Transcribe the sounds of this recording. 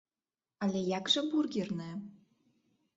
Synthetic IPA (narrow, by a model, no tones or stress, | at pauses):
ɑlʲejɑkʒɤ̆burɡʲirnĕ